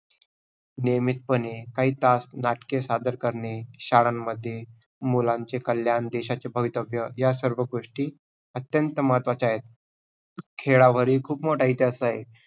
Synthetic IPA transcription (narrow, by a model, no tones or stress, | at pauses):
nemit̪̚pənekaɦiːt̪asnaʈkesad̪əɾkəɾneɕaɽanməd̪ʱːje | mulãɲt͡ɕekəljand̪eɕat͡ɕebʱəʋit̪əbʱjəjasəɾʋəɡoʂʈiː | ət̪jənt̪əmat̪ʋat͡ɕaɦet̪̚ | kʰeɭaʋəɾiːkʰuːpmoʈajit̪eəsaɦe